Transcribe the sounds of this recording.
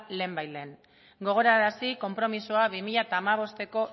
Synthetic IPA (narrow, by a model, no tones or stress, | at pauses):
le̞ːmbajleːn | ɡo̞ɣ̞o̞ɾaɾasiko̞mpɾo̞misoaβimiʎat̪aːmaβ̞o̞st̪e̞ko̞